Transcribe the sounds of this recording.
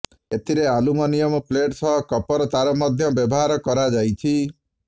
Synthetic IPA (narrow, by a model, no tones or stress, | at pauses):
et̪ʰiɾealumɔnijɔmɔpleʈsɔɦɔkɔpɔɾɔt̪aɾɔmɔd̪ʱjɔbjɔbɔɦaɾɔkɔɾad͡ʒajt͡ʃʰi